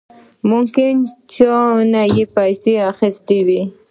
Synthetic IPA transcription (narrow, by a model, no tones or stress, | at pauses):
mʊmkɪnt͡ʃonajɪpajsɪaχɪst̪ɪwɪ